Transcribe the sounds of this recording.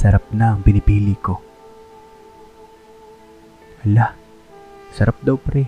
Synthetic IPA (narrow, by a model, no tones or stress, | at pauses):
sɐɾap̚naɐŋpɪnɪbiliko | ʔɐla | sɐɾap̚d̪awpɐɾɛ